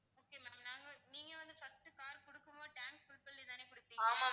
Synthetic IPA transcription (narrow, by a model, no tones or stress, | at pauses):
oːkːeːmamnaːŋɡɐniːŋɡɐʋɐnd̪ɯfɐsʈɯkaːɾkɔɽɯkːɯmoːʈaːnskʊɽɯpːɐlːit̪aːneːkʊɽɯpːiːŋaːɐa